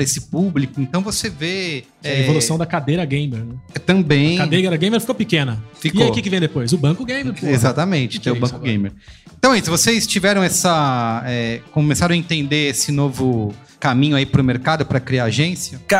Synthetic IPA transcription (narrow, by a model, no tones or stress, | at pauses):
ɾɐesɪ̥publikʊẽnt̪ɐ̃w̃voseve | ɐɛevolussɐ̃w̃d̪ɐkad̪ejɾɐɡẽj̃meɾnɛɛt̪ɐ̃bẽj̃kad̪ejɡeɾɐɡẽj̃meɾfikopikẽnɐfiikaoikɪkɪvẽj̃d̪epojz̬ʊbɐ̃kʊɡẽj̃meɾpoezat̪ɐmẽt͡ʃɪ̥t̪ẽʊbɐ̃kʊɡẽj̃meɾẽt̪ɐ̃w̃ɐisʊ̃vosest͡ʃivɛɾɐ̃w̃ɛsɐɛkõmesaɾɐ̃ɐẽt̪ẽnd̪eesɪnovʊ | kamĩɲʊaipɾʊmeɾkad̪ʊpɾɐkɾiaaʒẽsjɐka